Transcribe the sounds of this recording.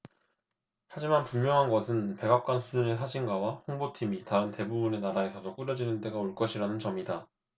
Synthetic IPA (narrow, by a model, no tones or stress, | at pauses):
had͡ʑimanpuŋmjʌŋɦanɡʌsʰɯnpe̞ɡak̚k͈wansʰud͡ʑune̞s̬ʰad͡ʑʰinɡawaɸoŋbotʰimitaɯnte̞bubune̞naɾae̞sʰʌdok͈uɾjʌd͡ʑinɯnt͈e̞ɡaoɭk͈ʌɕʰiɾanɯnt͡ɕʌmida